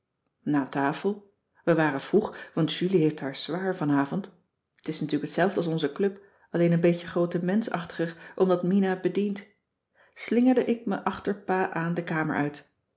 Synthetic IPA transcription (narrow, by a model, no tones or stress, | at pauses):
naːtaːfəlˠ | ʋəʋaːrəv̥ruχʋɑntʃyliɦejftɦaːɹz̥ʋaːɹvɑnaːvɔnt | ətɪsnatyːɹləkətsɛlˠvdəɑlˠsɔnzəklɵp | ɑlejnənbejcəχrowtəmɛnsɑ̰χtə̥χərʔɔmdɑtminabədint | slɪŋəɹdəʔɪk̚məʔɑχtəɹpaːʔaːndəkaːmə̰ɹʔœɥt